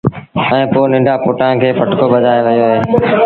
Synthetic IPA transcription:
ɛ̃ːpoːnɪ̃ɳɖʱaːpoːʈãːkʰeːpəʈkoːbəd͡ʒaːeʋəjoːɦeː

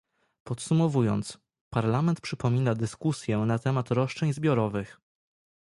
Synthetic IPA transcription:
pɔt̪sumɔvujɔ̰nt̪s | paɾlamɛnt̪̚pʂɘpɔmʲinad̪ɘskusʲjɛnat̪ɛmat̪ɾɔʂt͡ʂɛɲzbʲjɔɾɔvɘx

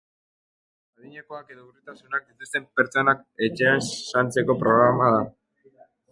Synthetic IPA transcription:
aðiɲeko̞ake̞ðo̞urit̪asunak̚d̪it̪ust̪e̞mpe̞ɾt͡so̞nake̞t͡ʃeansant͡se̞ko̞pɾo̞ɣɾamað̞a

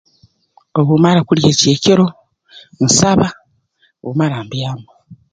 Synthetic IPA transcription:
oβumaɾakuljeːceːceɾo̞ | n̩saβa | o̰umaɾaːmbjaːmo

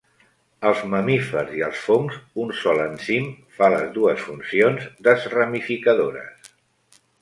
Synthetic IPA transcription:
əlˠzməmifəɾziəlˠsfoŋzunsɔlənsim | faləzðuəsfunsionzd̪əzrəmifikəðoɾə̰s

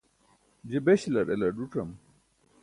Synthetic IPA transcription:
d͡ʑibeɕlɐɾḛlɐɖuʈɐm

